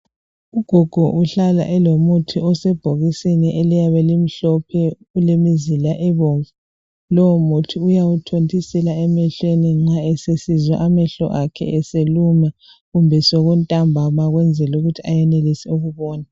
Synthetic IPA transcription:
uɡ̥ʱɔɡ̥ʱɔʔuɬala̰ʔɛlomutʰiɔsɛb̥ʱoɣisiniʔelijaβɛlim̩ɬɔpʰɛ | ulemizilaʔɛβɔɱvu | lɔwɔmutʰiujawutʰontʰʼisɛlaɛmɛɬweniŋ͡ǁaɛsesizwa̰ʔamɛɬɔ̰ʔakʰɛ̰ɛseluma | ɣumbʱɛsoɣuntʼambʱamaɣwɛnd͡zʱɛluɣutʰiajɛnelisiuɣuβɔːna

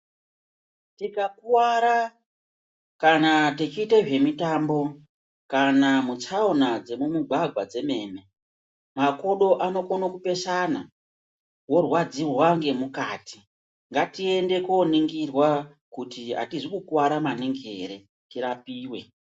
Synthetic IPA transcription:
tikakuwaɾa | kanatet͡ʃiːteʐe̞mitambo̞ | kanamut͡saunad͡ze̞mumuɡʱaɡʱwad͡ze̞me̞ːme̞ | mako̞ɗo̞ʔano̞konokupe̞sana̰ | wo̞rwad͡zirwaŋɡe̞mukaːti̥ | ŋɡatie̞nde̞koniŋɡirwa | kutia̰tiʐikukuwaɾamaniŋɡe̞̰ɾe | tiɾapiːwe̞̰

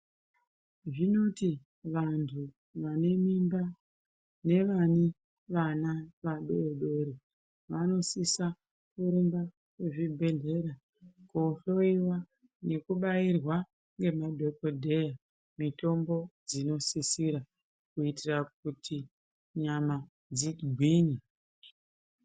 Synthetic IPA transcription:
ʐino̞ti | ʋantʰu | ʋane̞mimba | ne̞ʋani | ʋanaʋaɗoɗoɾi | ʋano̞sisa | kuɾemba | kweʐibʱe̞ɮe̞ɾa | koːɬo̞iwa | ne̞kuɓairwa | ŋɡe̞madʱe̞ko̞dʱe̞ja | mito̞mbo̞d͡zino̞sisiɾa | kuitirak̚utʰi | ɲama | d͡ziɡʱwiːni

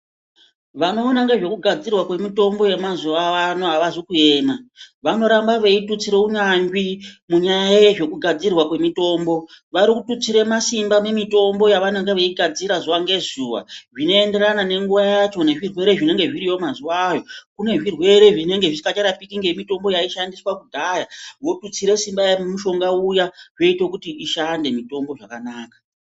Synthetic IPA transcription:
ʋano̞ːnaŋɡeʐe̞kuɡʱad͡zirwakwe̞mito̞mbo̞je̞mazuaanoaʋazikue̞ːnaʋano̞ɾambaʋeitut͡siɾe̞unaɲɡimuɲajaʐe̞kuɡʱad͡zirwakwe̞mito̞ːmbo̞ʋaɾikutut͡siɾe̞masimbame̞mito̞mbo̞jaʋaneŋɡeʋeiɡʱad͡ziɾazuaŋɡe̞zuʋa̰ʐino̞e̞nde̞ɾanane̞ŋɡuʋajat͡ʃo̞ne̞ʐirwe̞ɾe̞ʐine̞ŋɡe̞ʐiɾijo̞mazuwajo̞kune̞ʐirwe̞ɾe̞ʐine̞ŋɡe̞ʐiikat͡ʃaɾapikiŋɡe̞mito̞mbo̞jaiʃandiswakudʱajawo̞tut͡siɾe̞simbajamumuʃo̞ŋɡaujaʐo̞itwe̞kutiʔiʃande̞mito̞mbo̞ʐakanaːkḁ

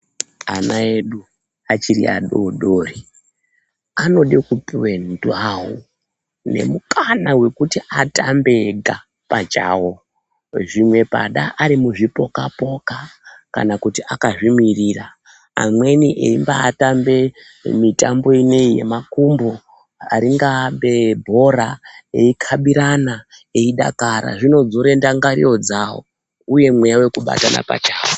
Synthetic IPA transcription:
anae̞ɗu | at͡ʃirḭʔa̰ɗo̰ɗoːri | ano̞ɗekupwendawo̰ | ne̞̰mukʰanawe̞kutiʔatambe̞ɡʱa | pat͡ʃaːwo | ʐimwe̞pa̰ɗaʔːɾimuʐipo̞kapo̞kaka̰nakutiʔakaʐimirira | a̰mwe̞niʔḛimbaːtambe̞ | mitambo̞ine̞ije̞̰makumbo | aɾiŋɡaɓebʱo̞ɾaeikʰaɓiɾana | eiɗa̰kaɾa̰ʐino̞d͡zoɾendaŋɡaɾḭjo̞d͡zawo̰ | uje̞mwejawe̞kuɓa̰tana̰pa̰t͡ʃaːwo

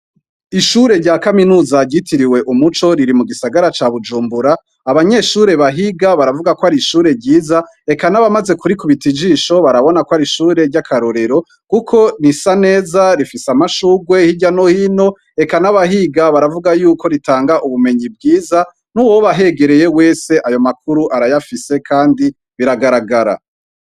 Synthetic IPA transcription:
iʃuɾe̞ɾɟaːkaminuːzaɾɟitʰiɾiwe̞ʔumut͡ʃo̞ɾiɾimuɡisaɡaɾat͡ʃaβud͡ʒuːmbuɾaː | βaɲe̞ʃuːɾe̞βaɦiɡaβaɾavuɡakoaɾiʃuːɾe̞ɟiːza | e̞kanaβamaze̞kuɾikuβitid͡ʒiːʃo̞βaɾaβo̞nakoaɾiʃuːɾe̞ɾɟakʰaɾoɾe̞ɾo̞ | kukʰo̞nisane̞ːzaɾifisamaʃuɡwe̞hiɟano̞hino̞ | e̞kanaβaɦiɡaβaɾavuɡajuːkʰo̞ɾitaːŋɡaʔuβume̞ɲib̚ɡiːza | nuwoβaɦe̞ɡe̞ɾe̞je̞we̞ːse̞ʔajo̞mak̚uɾuʔaɾajafise̞kʰaːndi | βiɾaɡaɾaɡaɾa̰

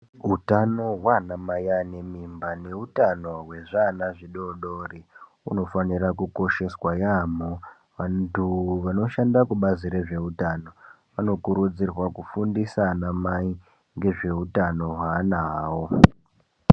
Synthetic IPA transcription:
utano̞ɦwanamajane̞mimbane̞utano̞ɦwe̞ʐanaʐiɗoɗori | ṵno̞fanirakuko̞ʃe̞swajamo | ʋantʰuʋano̞ʃandakuɓaziɾe̞ʐe̞utano̞ | ʋano̞kuɾud͡zirwakufundisanamai | ŋɡe̞ʐe̞utano̞ɦwaːnawo̞

